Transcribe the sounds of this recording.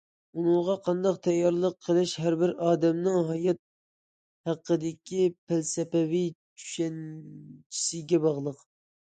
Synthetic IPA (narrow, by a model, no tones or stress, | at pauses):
unɨŋʁɑqʰɑnd̪ɑqt̪ʰɛjːɑɾlˠəqʰːəlˠɪʃɦæɾbɪɾɑːd̪ɛmnɨŋɦɑjɑt̪̚ | hæqʰːəd̪ɪkʲipʰɪlsɛpɛvit͡ʃʰy̥ʃɛnt͡ʃʰi̥sɪɡʲɛbɑʁlˠəq